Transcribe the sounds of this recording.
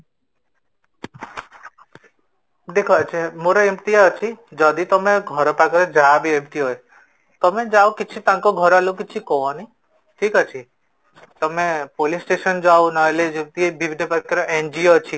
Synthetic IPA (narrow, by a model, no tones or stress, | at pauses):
d̪ekʰɔt͡ʃʰemoɾɔimt̪iaɔt͡ʃʰid͡ʒɔd̪it̪ɔmeɡʱɔɾɔpakɔɾed͡ʒaːbiemt̪iɦɔj | t̪ɔmed͡ʒawkit͡ʃʰit̪ãŋkɔɡʱɔɾalukit͡ʃʰikɔni | ʈʰikɔt͡ʃʰi | t̪ɔmepolisʈesɔnd͡ʒawnɔjled͡ʒimt̪ibibʱinːɔpakɔɾɔʔend͡ʒiot͡ʃʰi